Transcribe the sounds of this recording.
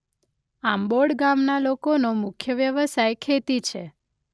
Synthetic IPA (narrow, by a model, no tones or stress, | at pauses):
amboɽɡamnalokonomʊkʰjəʋjəʋəsajkʰet̪it͡ʃʰe